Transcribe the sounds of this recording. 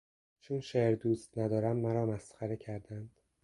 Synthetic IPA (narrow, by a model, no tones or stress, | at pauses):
t͡ʃʰunʃeːɾd̪uːst̪næd̪ɒːɾæmːæɾɒːmæsχæɾecʰæɾd̪ænd̪̥